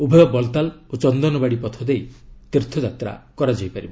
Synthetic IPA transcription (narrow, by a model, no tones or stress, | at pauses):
ubʱɔjɔbɔlt̪alot͡ʃɔnd̪ɔnɔbaɽipɔt̪ʰɔd̪ejt̪iɾt̪ʰɔd͡ʒat̪ɾa̰kɔɾad͡ʒɔjpaɾibɔ